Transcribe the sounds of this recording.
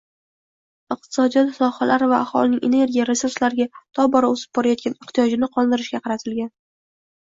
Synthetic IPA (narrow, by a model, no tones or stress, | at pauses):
ɨq̚t̪ʰɪ̥sɒd̪ijɒt̪sɒhalaɾɪvaːχɒ̰lɪnɪŋʲʔe̞̰ne̞ɾɡʲijaɾe̞suɾslaɾɡʲat̪ʰɒbɒɾaosɪ̥b̚bɒɾajɒt̪̚kʲanɪht̪ijɒd͡ʒɪnɪqʰɒlˠd̪ɪɾɪʃɡʲaqʰɑɾat̪ʰɪlɡʲan